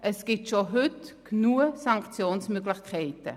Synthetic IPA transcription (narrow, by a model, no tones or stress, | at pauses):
ʔɛsɡ̥ɪtʃoɦʏtknuːəsɑŋkt͡sjoːnsmøɡlɪxkʰɛɪtə̰